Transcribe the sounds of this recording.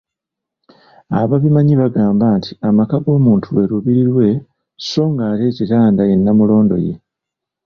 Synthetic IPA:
aβaβimaɲiβaɡaːmbaːntʰiamakaɡo̞ːmuːntʰuwe̞ɾuβiɾiɾwe̞ | so̞ːŋɡaːte̞ːcitaːndaje̞nːamulo̞ːndo̞̰je̞̰

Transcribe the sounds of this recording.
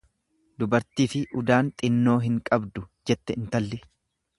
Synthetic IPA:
d̪ʊbɐɾt̪iːfɪʔʊd̪aːnt̪ʼɪnːo̞ːɦɪŋkʼɐbd̪ʊd͡ʒɛt̪ːɛɪnt̪ɐlːɪ

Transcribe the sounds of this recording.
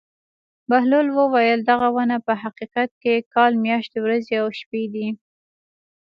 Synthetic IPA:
baɦlolwəwajəld̪aɣawanapəɦaqiqat̪̚kekɑlmjɑʃt̪ewɾazeawʃped̪i

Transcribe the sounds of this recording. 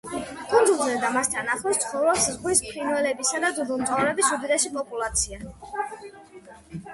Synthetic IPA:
kʼunzulˠzɛd̪amast̪ʰanaχlɔst̪sʰχɔvɾɔpszʁwispʰinvɛlɛbisad̪ad̪ud̪ɔmzaɾɛbisud̪id̪ɛʃipʼɔpʼulˠat̪sʰia

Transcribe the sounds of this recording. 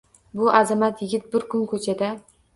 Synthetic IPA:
bʊʔazamat̪ʰjɪɡʲɪt̪̚bɪɾkʰʊnkʰɵt͡ʃʰad̪a

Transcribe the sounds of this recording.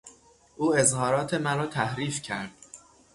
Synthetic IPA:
ʔuːe̞zhɒːɾɒːt̪ʰe̞mæɾɒːt̪ʰæhɾiːfcʰæɾd̪̥

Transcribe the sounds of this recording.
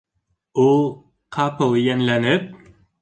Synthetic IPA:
ʊ | qʰɑpʰɤlˠjɛnlænɪp̚

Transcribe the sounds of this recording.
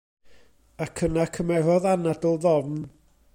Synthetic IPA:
akʰənakʰəmɛvɔðanadəlˠðɔvn

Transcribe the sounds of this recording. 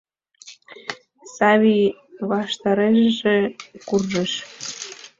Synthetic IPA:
sɑβi | βɑʃt̪ɑɾeʃʒekurʒeʃ

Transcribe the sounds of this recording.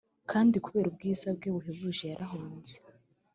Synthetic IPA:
kʰaːndikuβe̞ːɾub̚ɡiːzab̚ɡeβuɦeβuʒe̞jaɾʔaɦuːnz̥e

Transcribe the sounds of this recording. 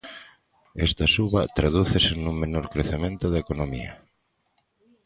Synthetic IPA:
est̪asuβat̪ɾaðuθesenũŋmenoɾkɾeθemẽnt̪oðaekonõmḭa̰

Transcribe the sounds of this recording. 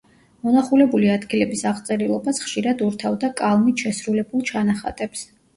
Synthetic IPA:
mɔnaχulɛbuliad̪ɡilɛbisaʁt̪sʼɛɾilˠɔbasχʃiɾad̪uɾt̪ʰavd̪akʼalˠmit̪ʃɛsɾulɛbulˠt͡ʃʰanaχa̰t̪ʼɛps

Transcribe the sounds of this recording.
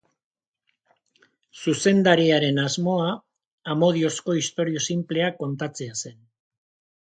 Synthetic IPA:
suse̞nd̪aɾiaɾe̞nazmo̞aː | mo̞ð̞io̞sko̞ist̪o̞ɾio̞simple̞ako̞nt̪at͡se̞ase̞n

